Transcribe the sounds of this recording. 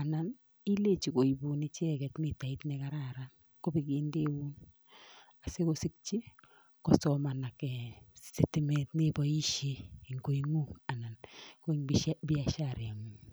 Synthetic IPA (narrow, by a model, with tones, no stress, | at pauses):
a˨na˨n | i˦le˦˨t͡ʃi˨ko˨i˨bu˨ni˦t͡ʃɛ˦˨kɛ˨tnɪ˦ta˨i˦tnɛ˨ka˦ɾa˦˨ɾa˦n | ko˦pi˨kɪ˨˦nde˦u˦n | a˨se˦ko˦sɪ˦k̚t͡ʃi˦ | kɔ˨sɔ˨ma˨na˨kɛ˨si˨ti˨˦me˨tnɪ˦bɔ˦i˦ʃeː˦˨ŋko˨i˦ŋu˦a˨na˨nko˦i˨ŋbi˦bi˦a˨ʃa˦˨ɾe˨a˨ŋu˨